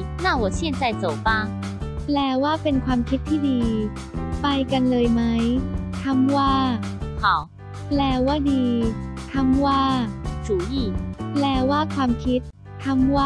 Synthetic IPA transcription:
na˥˩wɔ˨˩ɕjɛ˥˧nt͡sa˥˩jt͡so˨˩wfa˧˥ | plɛː˧˩waː˥˩pe˧nkʰwaː˧mkʰi˦˥t̪ʰːiː˥˩diː˧ | pa˧jka˧nlɤː˧jma˦˥jt̪ʰa˧˥mwaː˥˩kʰɔ˨˦ | plɛː˧˩waː˥˩diː˧t̪ʰa˧˥mwaː˥˩t͡ɕuː˨˩˦ji˥˩plɛː˧˩waː˥˩kʰwaː˧mkʰi˦˥t̪̚ʰː | a˧˥mwaː˥˩

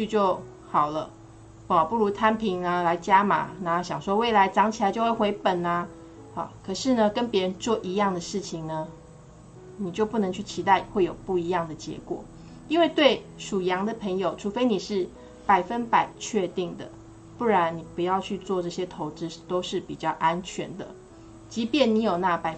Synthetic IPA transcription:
y˥˧t͡ɕjo˥˩ʊ | xɑ˨˩ʊlə˦˨˩ | pu˥˩ɻu˧˥t̪ʰa˥npʰi˧˥ŋla˧la˧˥ɪt͡ɕja˥ma̰˨˩na˨˦ɕjɑ˨˩ŋʂwɔ˥we˥˩ɪla˧˦ɪʈ͡ʂɑ˧˥˦ŋt͡ɕʰi˨˩la˧˦t͡ɕjo˥˧ʊwe˥˩ɪxwe˧˥ɪpə˨˩na˦ | ha̰˥˨˩kʰɤ˨˩ʂɻ̩˥˩nə˨kə˦˥npjɛ˧˥ɻə˧˦nt͡swɔ˥˨˩ʔi˧˥jɑ˥˩ŋd̪ə˩ʂɻ̩˥˩t͡ɕʰi˨ŋnə˦ | ni˨˩t͡ɕjo˥˧ʊpu˥˩nɤ˧˦ŋt͡ɕʰy˥˩t͡ɕʰi˧˥t̪a˥˩ɪxwe˥˩ɪjo˨˩ʊpu˥˩i˧˥jɑ˥˩ŋd̪ə˩t͡ɕjɛ̰˧˥kwɔ̰˨˩˦ | i˥nwe˥˧ɪt̪we˥˩ɪʂu˨˩jɑ˧˥ŋd̪ə˨pʰə˧˥ŋjo˨˩ʊʈ͡ʂʰu˧˥fe˥ɪni˨˩ʂɻ̩˥˩ | pa˨˩ɪfə˦npa˨˩ɪt͡ɕʰɥɛ˥˧t̪i˥˩ŋd̪ə̰˩ | pu˥˩ɻa˧˦nni˨˩pu˧˦jɑ˥˧ʊt͡ɕʰy˥˧t͡swɔ˥˧ʈ͡ʂɤ˥˩ɕjɛ˥t̪ʰo˧˥ʊʈ͡ʂɻ̩˦˥t̪o˥ʊʂɻ̩˥˩pi˨˩t͡ɕjɑ˥˩ʊʔa˦nt͡ɕʰɥɛ˧˥nd̪ə̰˨ | t͡ɕi˧˥pjɛ˨˦nni˧˥jo˨˩ʊna˥˨pa˨ɪ

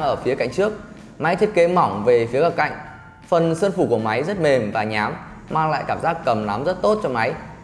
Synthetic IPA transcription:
ŋʔəː˧˩fi˨˦əka̰˧˨ŋt͡ɕɨ˦˥ək̚ | ma˨˦jt̪ʰi˦˥ət̚ke˨˦mɔ˧˩wŋ͡mve˨˩fi˨˦əɣa˨˩p̚ka̰˧˨jŋ̟ | fə˨˩nsə˧nfu˧˩ku˧˩əma˨˦jzə˦˥t̚me˨˩mvaː˨˩ɲaː˨˦m | maː˧ŋla̰ː˧˨jkaː˧˩mzaː˦˥k̚ːə˨˩mna˨˦mzə˦˥t̚t̪o˦˥t̚t͡ɕɔ˧ŋ͡mma˨˦j

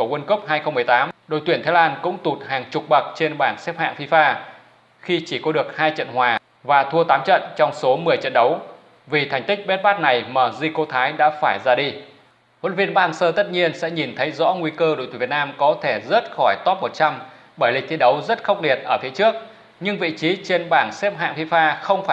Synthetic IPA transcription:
ku˧˩˨wə˧nkə˦˥p̚haː˧jxə˧wŋ͡mmɨ˨˩ə˩jt̪aː˨˦mɗo̰˧˨jt̪wi˧˩ət̪aː˨˦laː˧nkʊ̰˧˥ŋ͡mt̪u˨˩t̚haː˨˩ŋt͡ɕʊ˨˩k͡p̚ɓə˨˩k̚t͡ɕe˧nɓaː˧˩nsɛ˦˥p̚ha̰ː˧˨ŋfi˧faː˧ | xi˧t͡ɕi˧˩kɔ˨˦ɗɨ˨˩ək̚haː˧jt͡ɕə̰˧˨nɦwaː˨˩ | vaː˨˩t̪ʰu˧ət̪aː˨˦mt͡ɕə̰˧˨nt͡ɕɔ˧wŋ͡mso˨˦mɨ˨˩əjt͡ɕə̰˧˨nɗə˨˦w | vi˨˩t̪ʰa˨˩jŋ̟t̪i˦˥k̚ɓɛ˦˥t̚ɓaː˦˥t̚na˨˩jməː˧˩zi˧ko˧t̪ʰaː˨˦jɗa̰ː˧˥faː˧˩jzaː˧ɗi˧ | wo̰˧˥˦nvi˧ənɓaː˦˧ŋsəː˧t̪ə˦˥t̚ɲi˧ənsɛ̰˧˥ɲi˨˩nt̪ʰə˨˦jzɔ̰˧˥ŋwi˧kəː˧o̰˧˨t̪ʰu˨˩vt̚naː˧mkɔ˨˦t̪ʰe˧˩zə˦˥t̚xɔ˧˩jt̪ɔ˦˥p̚mo˨˩t̚t͡ɕa˧m | ɓəː˧˩jlï˨˩k̚t̪ʰi˨˦ɗə˨˦wzə˦˥t̚xə˦˥wk͡p̚li˨˩ət̚ʔəː˧˩t̪ʰe˨˦t͡ɕɨ˦˥ək̚ | ɲɨ˧ŋvḭ˧˨t͡ɕi˨˦t͡ɕe˧nɓaː˧˩ŋsɛ˦˥p̚ɦa̰ː˧˨ŋfi˧faː˧xə˧wŋ͡mfaː˧˩

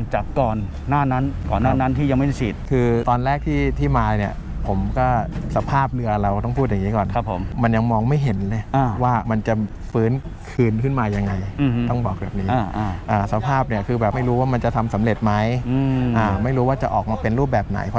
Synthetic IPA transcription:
ŋt͡ɕa˨˩p̚kɔː˨˩nː | aː˥˩na˦˥nkɔː˨˩nːaː˥˩na˦˥nt̪ʰiː˥˩ja˧ŋma˥˩˥sʰi˨˩t̪̚kʰɯː˧t̪ɔː˧nɾɛː˥˩k̚t̪ʰiː˥˩t̪ʰiː˥˩maː˧ni˧˩ɐ | pʰo˩˦mkɔː˥˩sa˧˦pʰaː˥˩p̚lɯ˧ɐɾa˧wt̪ɔ˥˩ŋpʰuː˥˩ja˨ŋːiː˦˥kɔː˨˩nʰa˦˩pʰːo˩˦mma˧nja˧ŋmɔː˧ŋma˥˩jɦe˩˦nlʔaː˧˩waː˥˩ma˧nt͡ɕa˨˩ | fɯː˦˥n | kʰɯː˧nkʰɯ˥˩nmaː˧ja˧ŋːa˧jt̪ɔ˥˩ŋbɔː˨˩k̚bɛ̰ː˨˩p̚niː˦˥˧ʔa˧ʔaː˨˩sa˧pʰaː˥˩p̚ni˥˩ɐkʰɯː˧bɛː˨˩p̚ma˥˩jɾuː˦˥waː˥˩ma˧nt͡ɕa˨˩t̪ʰa˧msa˩˦mɾe˨˩t̪̚ma˦˥jɯ˧ʔaː˨˧˩ma˥˩jɾuː˦˥waː˥˩t͡ɕa˨˩ʔɔː˨˩k̚maː˧pe˧nɾuː˥˩p̚bɛː˨˩p̚na̰˩˦jpʰ

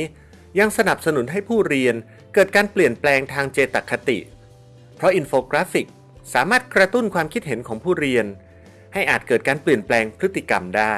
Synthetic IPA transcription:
ja˧ŋsa˧na˨˩p̚sa˧nu˩˦nɦa˥˩jpʰuː˥˩ɾi˧ən | kɤː˨˩t̪̚kaː˧npli˨˩ənplɛː˧ŋt̪ʰaː˧ŋt͡ɕeː˧t̪a˨˩kʰːa˧t̪ḭ˨˩ʔ | pʰɾɔ˦˥ʔi˧nfoː˧kɾaː˦˥fi˨˩k̚ | saː˩˦maː˥˩t̪̚kɾa˧t̪u˥˩nkʰwaː˧mkʰi˦t̪̚ɦe˩˦nkʰɔː˩˦ŋpʰuː˥˩ɾi˧ən | ha˥˩jʔaː˨˩t̪̚kɤː˨˩t̪̚kaː˧npli˨˩ənplɛː˧ŋpʰɾɯ˦˥t̪ːi˨ka˧mdaː˥˩j

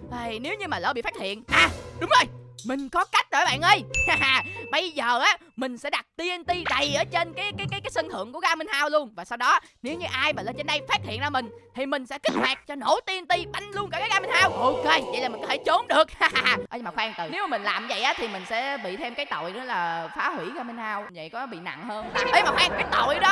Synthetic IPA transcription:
a˨˩ne˨˦wɲɨ˧maː˨˩ləː˧˩ɓḭ˧˨faː˦˥t̚hḭ˧˨ənʔaː˨˩ɗʊ˨˦ŋ͡mzo˨˩jmï˨˩ŋ̟kɔ˨˦ka˦˥k̟̚ɗo˨˧˨ɓa̰ː˧˨nʔə˧j | ɓə˧jzəː˨˩ʔaː˨˦ | mï˨˩ŋ̟sɛ̰˧˥ɗa˨˩t̚t̪i˧ənt̪i˧ɗə˨˩jʔəː˨˩t͡ɕe˧nkaː˨˦jkaː˨˦jkaː˨jkaː˨˦jsə˧ŋt̪ʰɨ̰˧˨əŋku˧˩əɣaː˨˦mi˧nhaː˧wlu˧ənvaː˨˩sa˧wɗɔ˨˦ne˨˦wɲɨ˧ʔaː˧jaː˨˩ləː˧˩t͡ɕe˧nɗə˧jfa˦˥t̚hḭ˧˨ənzəː˧˦mï˨˩ŋ̟t̪ʰi˨˩mï˨˩ŋ̟sɛ̰˧˥kï˦˥k̟̚maː˨˩k̚t͡ɕɔ˧no˧˩t̪i˧ənt̪i˧ɓa˧jŋ̟lu˧ənkaː˧˩kːaː˨˦ɣaː˧mi˧nhaː˧wʔo˧ke˧və̰˨jlaː˨˩mi˨˩ŋkɔ˦t̪ʰe˧˩t͡ɕo˨˦mɗɨ˨˩ək̚a˧ʔəː˧jmaː˨˩xwaː˧ŋt̪ɨ˨˩ne˨˦wmaː˨˩mï˨˩ŋ̟laː˨˩mzə̰˧˨jʔaː˨˦t̪ʰi˨˩mï˨˩ŋ̟sɛ̰˧˥ɓḭ˧˨t̪ʰe˧mkaː˨˦jt̪o̰˧˨jnɨ˨˦laː˨˩faː˨˦hwi˧˩ɣaː˧mi˧nhaː˧wvə̰˧˨jkɔ˨˦ɓḭ˧˨na̰˧˨ŋhəː˧naː˨˩ʔəː˨˧jmaː˨˩xwaː˧ŋkaː˨˦jt̪o̰˧˨jɗɔ˨˦

